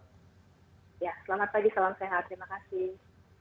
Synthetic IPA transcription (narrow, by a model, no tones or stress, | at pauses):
jasəlamat̪̚paɡisalamseɦat̪ːəɾimakasɪh